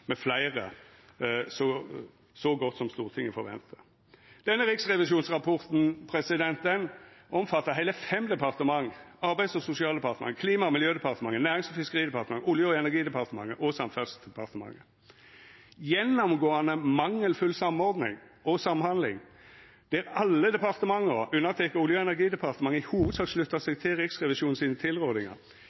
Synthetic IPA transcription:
mɛflæɪʁə | sɔ | sɔɡɔt̪ːsɔmst̪uːʁt̪ʰɪŋːəfɔʁʋɛ̰nt̪ʰə | d̪̥ɛnːəɾɪksʁɛʋɪʃuːnsʁɑpʰɔʁt̪n̩pʰɾɛsɪd̪ɛnt̪d̪ɛnʔɔmfɑt̪ːəɦæɪləfɛmd̪ɛpʰɑʁt̪əmɑŋɑɾbæɪsɔsʊsɪɑːld̪ɛpɑɾt̪əmɑ̰ŋəkʰliːmɑmɪljøːd̪ɛpɑʁt̪əmɑŋːənæːɾɪŋsɔfɪskəʁiːd̪ɛpɑʁt̪əmɑŋəʊljəɔɛnæɡiːd̪ɛpɑʁt̪əmɑŋːəʔɔsɑmfœsd̪ɛpʰɑʁt̪əmɑ̰ŋːə | jɛnːɔmɡoːɑnəmɑŋːəlfʉlsɑmɔɾd̪nɪ̰ŋɔsɑmhɑnd̪lɪ̰ŋ | d̪̥ɛæɾɑlːəd̪ɛpɑʁt̪əmɑŋːəɾʉnːəʁt̪ʰɛkəʊljəɛnæɾɡiːd̪ɛpʰɑʁt̪əmɑŋːəɪhuːʋəd̪sɑːkslʉt̪ːɑsɛɡt̪ʰɪlʁɪksʁɛʋɪʃuːnn̩siːnət̪ʰɪlʁoːd̪ɪŋɑ̰

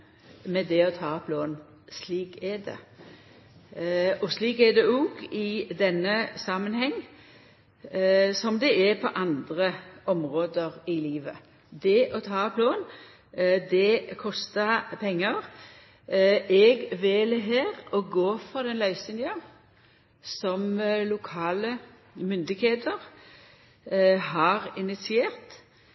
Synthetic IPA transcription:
mɛd̪ɛɔt̪ʰɑːpʰloːn | sliːkɛɖɛ̰ | ɔsliːkɛd̪ɛɔɡɪd̪ɛnːəsɑmənhɛŋː | sɔmd̪ɛʔɛpʰɔʔɑnd̪ɾəɔmʁoːd̪əɾɪliːʋə | d̪ɛʔɔt̪ʰɑːpʰloːn | d̪ɛkʰɔst̪əpʰɛŋːəʁ | ɛɡʋɛːlɦeːʁɔɡoːfɔd̪ɛnlɑʏsɪnjɑ | sɔmlʊkʰɑːlə | mʏnd̪ɪɡeːt̪əʁ | ɦɑʁɪnɪt̪sɪeːʁt̪

